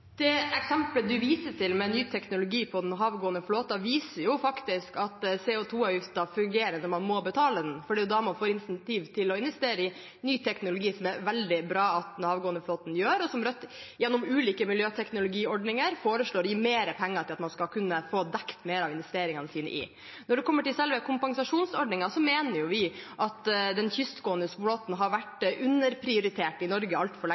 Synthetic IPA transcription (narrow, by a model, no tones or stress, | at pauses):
d̪̥ɛɛksɛmpləd̪ʉʋiːsəʈʰɪlmɛnyːt̪ʰɛknʊlʊɡiːpʰɔd̪ɛnɦɑːʋɡoːənəfloːt̪ɑʋiːsəɾjʊfɑkt̪ɪskɑt̪sɛːʊt̪ʰuːɑjɪft̪ɑfʉŋɡeːɾənɔmɑnmɔbət̪ʰɑːləd̪ɛnfɔɖiːd̪ɑmɑnfoːɾɪnsɛnt̪ʰiːʋt̪ʰɪlɔɪnʋɛst̪eːɾəɪ | nyːt̪ʰɛknʊlʊɡiːsɔmɛɾʋɛld̪ɪbɾɑːɑt̪̚d̪ɛnhɑːʋɡoːənəfloːt̪n̩jøːɾɔsɔmɾœt̪ːjɛnːʊmʉːliːkəmɪljøːt̪ʰɛknʊlʊɡiːɔɖɳɪŋəɾfoːɾəʂɭoːɾjiːmeːɾəpʰɛŋːɑɾʈʰɪlɑt̪mɑnskɑkʰʉnːəfoːd̪ɛkt̪meːɾɑːʋɪnʋɛst̪eːɾɪŋɑnəsiːnə̰ʔɪ̰ | nɔɖɛkʰɔmːəʈɪlsɛlʋəkʰʊmpɑŋsɑʂuːnsɔɖnɪŋɑsɔmeːnəɾjʊʋɪʔɑt̪d̪ɛnçʏst̪ɡoːənəsbloːt̪nɦɑɾʋæʈʉnːəɾpʰɾɪʊɾɪt̪ʰeːʈɪnɔɾɡəɑlt̪fɔɭɛ